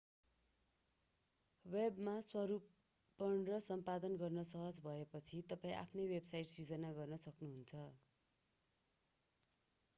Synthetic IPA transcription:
webmaswʌɾupː | ʌnrʌsʌmpad̪ʌnɡʌrnʌsʌɦʌd͡zbʱʌepʌt͡sʰit̪ʌpaĩʔa̰pʰnʌjwebsajʈsid͡zʌnaɡʌrnʌsʌknuɦunt͡sʰʌ

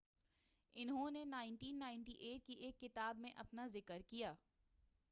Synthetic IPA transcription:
ɪnɦõnenaːɪ̃ɳʈiːnːaːɪ̃nʈiʔeːʈ̚kiʔeːkːɪt̪aːbmẽʔɐpnazɪkəɾkijaː

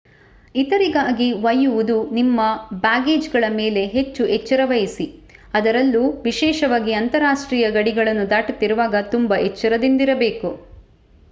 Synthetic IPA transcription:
it̪ɐɾiɡaːɡiʋɐjːuʋud̪unimːɐbaːɡe̞ːd͡ʒɡɐɭɐmeːle̞ɦet͡ʃːuʔɛt͡ʃːɐɾɐʋɐjisiɐd̪ɐɾɐlːuʋiʃɛːʃɐʋaːɡiɐnt̪ɐɾaːʂʈɾiːjɐɡɐɽiɡɐɭɐnːud̪aːʈut̪ːiɾuʋaːɡɐt̪umbɐʔet͡ʃːɐɾɐd̪ind̪iɾɐbe̞ːku

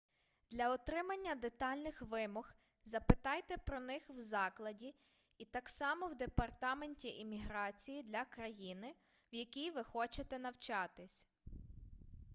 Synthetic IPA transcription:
d̪̥lʲɐɔt̪ɾɪmɐnʲːɐd̪et̪ɑlʲnɪxʋɪmɔx | zɐpɪt̪ɑjt̪ɛpɾɔnɪxwzɑklˠɐdʲi | it̪ɑksɑmɔwd̪epɐrt̪ɑmenʲtʲiʔimʲiɦɾɑt͡sʲijid̪lʲɐkɾɐjinɪ | wjɐkʲijʋɪxɔt͡ʃet̪ɛnɐwt͡ʃɑt̪ɪsʲ

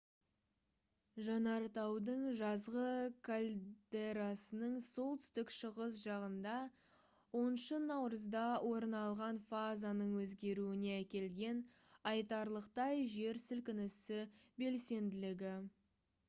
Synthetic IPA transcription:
ʒɑnɑɾt̪ɑwd̪əɴʒɑzʁəkʰalʲd̪̥e̞ɾasənəɴso̞lˠt̪ʰʏst̪ɪkʃəʁəsʒɑʁənd̪ɑ | wo̞nʃənɑwɾəzd̪ɑwʔo̞ɾənɑlˠʁɑnfazanəɴwɵzɡʲe̞ɾuɪneækʲe̞lɡʲe̞n | ɑjt̪ɑɾlˠəqt̪ɑjʒe̞ɾsɪlkʲɪnɪsɪbe̞lse̞nd̪ɪlɪɡʲɪ

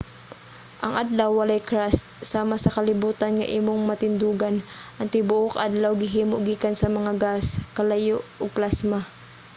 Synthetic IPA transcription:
ʔɐŋʔad̪lawːɐlajkɾast̪̚saːmasɐkɐlɪbuːt̪anŋa̰ʔiːmoŋmɐt̪ɪnd̪uːɡanʔɐnt̪ɪbʊʔokʔad̪lawɡɪɦiːmoʔɡiːkansɐmɐŋaɡaskɐlajoʔoɡ̚plasma

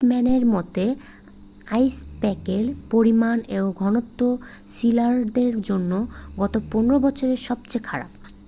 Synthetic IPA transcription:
mɛneɾmɔt̪e | ajspɛkelpoɾimaneboɡʱɔnot̪ːo | silaɾd̪eɾd͡ʑonːoɡɔt̪oponeɾobɔt͡ɕʰoɾeʃɔb̚t͡ɕekʰaɾa̰b

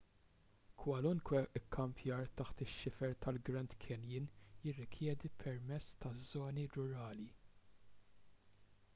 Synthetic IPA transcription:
kʰwɐlʊŋkwɛɪkʰːɐmpʰjɐːɾt̪ɐħt̪ɪʃːɪfɛɾt̪ɐlɡɾɐnd̪kʰɛnjɪnjɪrːɪkʰjɛːd̪ipʰɛɾmɛt͡sːt̪ɐzːɔːniɾʊɾɐːli

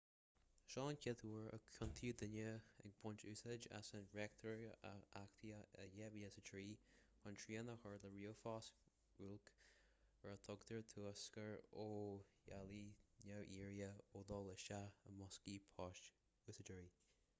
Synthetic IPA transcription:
ʃɑːnkʰɪt̪ʰuːɹə̰kʰʊnt̪ʰuːd̪ɪnəɛ̰ɡ̚bʊnt͡ʃuːsəd͡ʒa̰sənɹɛk̚t̪ʰəɹakt̪ʰiəəjɛviːəsətʰɹiː | hɔntʰɹiːənəxəɹləɹiːofɑːs | ɹulk | əɹət̪ʰɔɡt̪ʰəɹt̪ʰuəskəɹoːjalinawʔiːɹiəoːd̪ɔləʃaəmɔskiːpʰɑːʃ | usəd͡ʒəɹiː

